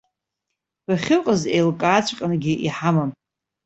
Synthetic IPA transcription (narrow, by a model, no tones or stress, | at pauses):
b̥aχʲɪqʼəzejlkʼaːt͡ɕʷʰqʲʼnɡʲɪʔiħamam